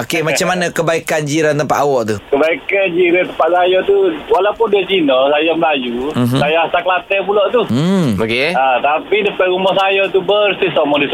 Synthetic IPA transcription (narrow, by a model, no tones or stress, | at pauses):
okemat͡ʃamːanãkəbaikand͡ʒiɾant̪əmpa̰ʔawɔʔt̪ukəbaikand͡ʒiɾat̪əmpat̪̚sajɔt̪uwalaupʊndiat͡ʃinɔsajaməlajuɦsajaasakəlat̪əpulɔʔt̪uokeat̪apidəpaɾumɔsajɔt̪ubəɾsisomɔŋdis